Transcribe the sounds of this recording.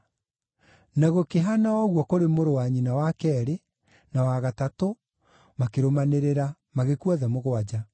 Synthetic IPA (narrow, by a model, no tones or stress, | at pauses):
naɣokeɦanaɔɣwɔkoɾemoɾowaɲinawakɛːɾe | nawaɣatato | makeɾomaneɾeɾa | maɣekuaðɛmoɣoad͡ʑa